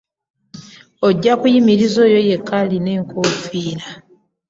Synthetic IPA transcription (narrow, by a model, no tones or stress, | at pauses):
oɟːakujimiɾizo̞ːjo̞je̞kːaline̞ːŋkʰofiːɾa